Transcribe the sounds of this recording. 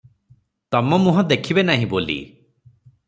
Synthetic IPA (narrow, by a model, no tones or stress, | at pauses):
t̪ɔmɔmuɦɔ̃d̪ekʰibenaɦĩbolḭ